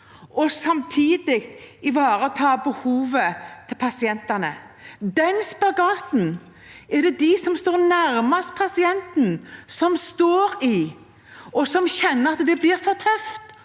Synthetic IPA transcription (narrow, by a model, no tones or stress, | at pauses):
ɔsɑmt̪ʰiːd̪ɪkt̪ɪʋɑːɾət̪ʰɑːbəhuːʋət̪ʰɪlpʰɑsɪɛnt̪ɛnə | d̪ɛnspɑɡɑːt̪n̩ | ɛd̪ɛd̪ɪsɔmst̪oːɾnæɾmɑst̪̚pʰɑsɪɛnt̪n̩sɔmst̪oːɾɪ | ɔsɔmçɛnːəɑt̪d̪ɛblɪːɾfɔɾt̪ʰœft̪